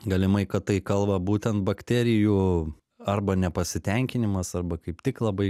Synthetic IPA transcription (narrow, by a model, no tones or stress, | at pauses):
ɡɐlʲɪmɐɪkɐt̪t̪ːɐɪkɐlˠbɐbuːt̪ʲɛnt̪bɐkt̪ʲæːɾʲɪjuː | ɐrbɐnʲɛpɐsʲɪt̪ʲɛŋʲkʲɪnʲɪmɐsɐrbɐkɐɪpt̪ʲɪklˠɐbɐɪ